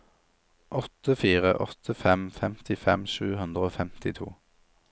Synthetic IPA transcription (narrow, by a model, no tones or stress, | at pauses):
ʔɔt̪əfiːʁə̰ʔɔ̰t̪ʰəfɛmfɛmt̪ʰɪfɛmʃʉːhʉnd̪ʁəoːfɛmt̪ɪt̪ʰṵː